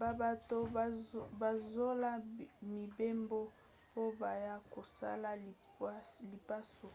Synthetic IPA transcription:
ba˨ba˨to˦˨ba˨zo˦la˦mi˨be˦mbo˦ | po˦ba˨ja˦ko˨sa̰˦la˦˨˦ | li˨pa˦so˨

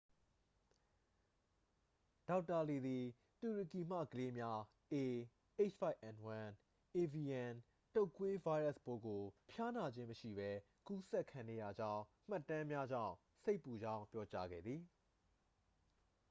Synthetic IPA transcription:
d̥a˨˦ʊtːa˨le˨d̪i˨ | tu˨ɹi˨ki˨m̥ä̰˦˨ɡəle˦mja˦ | ʔe˨ | ʔe˦t͡ʃfa˦ɪʔɛ̃˨nwã˨n | ʔe˨vi˨jɛ̃˨n | to˦ʊkwe˦va˦ɪɹa˦˨sbo˦ɡo˨pʰja˦na˨d͡ʑɪ̃˦məʃḭ˦˨bɛ˦ | ku˦sɛ˦ʔkʰːã˨ŋɡɛ˨˦ja˨d͡ʑã˦ʊ̃m̥a˦˨tːã˦mja˦d͡ʑã̰˦˨ʊ̃ | se˦ɪpːu˨d͡ʑã˦ʊ̃mpjɔ˦t͡ɕa˦ɡɛ̰˦˨d̪ði˨

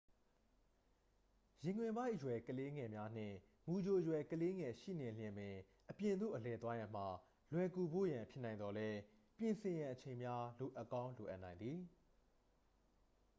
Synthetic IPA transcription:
jɪ̃˨ŋwɪ̃˨mba˦ɪʔjwɛ˨kəle˦ŋɛ˨mja˦n̥ɪ̰̃˦˨ | mu˨d͡ʑo˨jwɛ˨kəle˦ŋɛ˨ʃḭ˦˨nɪ̃˨l̥jɪ̃˨mɪ̃˨ | ʔəpjɪ̃˨nd̪ṵ˦˨ʔəlɛ˨t̪̬wa˦jã˨m̥a˨ | lwɛ˨ku˨bo̰˦˨jã˨mpʰjɪ˦˨nã˨ɪ̃nd̪ɔ˨lɛ˦ | pjɪ̃˨nsʰɪ̃˨jã˨ʔət͡ɕʰẽ˨ɪ̃mja˦lo˨ʔə˨kã˦ʊ̃nlo˨ʔa̰˦ʔnã˨ɪ̃nd̪i˨

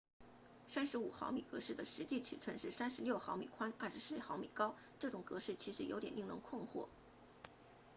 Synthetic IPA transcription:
sa˥nʂɻ̩˧˥u˨˩xɑ̰˧˥ʊmi˨˩kɤ˧˥ʂɻ̩˥˩d̪ə˩ʂɻ̩˧˥t͡ɕi˥˩t͡ɕʰḭ˨˩ʈ͡ʂʰə˥˧nʂɻ̩˥˩sa˥nʂɻ̩˧˥ljo˥˩ʊxɑ˧˥ʊmḭ˨˩kʰwa˥nɐ˥˩ʂɻ̩˧˥s̩˥˩xɑ˧˥ʊmḭ˨˩kɑ˥ʊ | ʈ͡ʂɤ˥˩ʈ͡ʂʊ˨˩ŋkɤ˧˥ʂɻ̩˥˩t͡ɕʰi˧˥ʂɻ̩˧˥jo˧˥ʊt̪jɛ˨˩ni˥˩ŋlə˧˥ŋkʰʊ˥˧ŋxwɔ̰˥˩

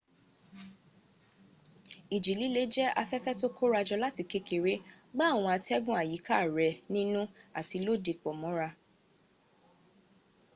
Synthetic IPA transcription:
i˨d͡ʒi˨li˨˦le˨˦d͡ʒɛ˦a̰˧fɛ˦fɛ˦to˦kʰo˦ɾa˧d͡ʒɔ˧la˦ti˧ke˦ke˨ɾe˨˦ɡ͡ba˦˨w̃ɔ̃˧a˧tɛ˦ɡũ˦a˨ji˨˦ka˦˨ɾɛ˨nĩ˦nũ˦a̰˨ti˨˧lo˦˨de˧k͡pɔ˨mɔ̃˨˦ɾa˧

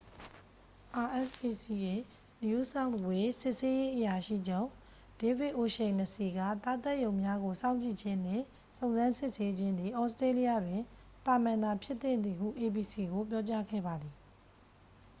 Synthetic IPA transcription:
ʔa˨ʔɛ˦˨sbi˨si˨ʔe˨ | n˨u˦sã˦twe˨sɪ˦ʔse˦je˦ʔəja˨ʃḭ˦˨d͡ʑõ˦˨ | d̥e˦vɪ˦ʔo˨ʃẽ˨ɪ̃nə˨si˨ɡä̰˦˨t̪a˦t̪ɛ˦˨ʔjõ˨ʊ̃mja˦ɡo˨sã˦ʊ̃ɲt͡ɕḭ˦˨d͡ʑɪ̃˦n̥ɪ̰̃˦˨ | sõ˨ʊ̃zã˦sɪ˦ʔse˦d͡ʑɪ̃˦nd̪ði˨ʔɔ˦ʊsətɹe˦li˦ja˦˨dwɪ̃˨ | t̪a˨mã˨nd̪a˨pʰjɪ˦t̪ːɪ̃˨nd̪ði˨hṵ˦˨ʔe˨bi˨si˨ɡo˨p̬jɔ˦t͡ɕa˦ɡɛ̰˦˨ba˨d̪ði˨

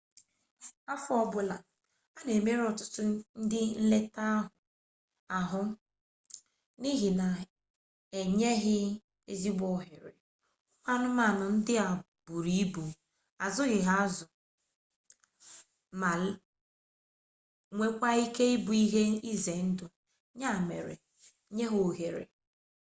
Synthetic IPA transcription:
a˦fʊ˦ɔ˦bʊ˨la˨ | a˦ne˨me˦ɾɔ˨tʊ̥˦tʊ˦n̩˦dɪ˦n̩˦le˦ta˦a˦ɦʊ˨ | a˨ɦʊ˦ | ni˦ɦi˨na˨ | e˨ɲe˦ɦɪ˦ | e˦zi˦ɡ͡bɔ˦˨ɦɪ˨ɾḛ˨ | ʊ˦kʷa˦nʊ˦ma˨nʊ˨n̩˦dɪ˦a˨ | bu˨ɾi˦bu˨ | a˨zʊ˦ɣɪ˨ɦa˦zʊ˨ | ma˨ | ŋʷe˨kʷa˦i˦ke˦i˦bu˨i˦ɦe˦i˦ze˨˦n̩˦dʊ˨ | ɲa˦˨mḛ˨ɾḛ˨ | ɲe˦ɦo˨ɣe˨ɾḛ˨

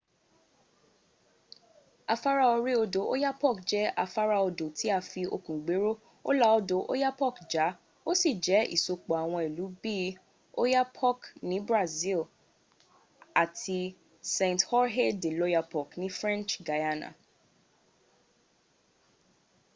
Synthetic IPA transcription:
a˧fa˦ɾa˦o˧ɾi˦o˧do˨˦ʔo̰˦ja˦pɔ˦˨kd͡ʒɛ˦a˧fa˦ɾa˦o˧do˨tʰi˨˦a˦˨fi˧o˧kũ˨ɡ͡be˨˦ɾo˦ | o̰˦la˦ɔ˧do˨ʔo̰˦ja˦pɔ˦˨kd͡ʒa˨˦ | o˦si˦˨d͡ʒɛ˨˦ḭ˨so˧k͡po˨a˨w̃ɔ̃˧i˨lu˨˦bi˦ | o˦ja˦pʰɔ˦˨knĩ˨˦bɾa˦˨zi˦l | a˨tʰi˧ | sɛ̃˨nthɔ˦ɾɦe˦de˨lo˦ja˧pɔ˦˨knĩ˦fɾɛ̃˦nt͡ʃɡa˨ja˦na̰˨

